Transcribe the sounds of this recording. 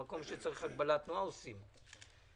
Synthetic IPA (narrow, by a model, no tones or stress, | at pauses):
ako̞mʃet͡saʁiχhaɡbalat̪nuaosim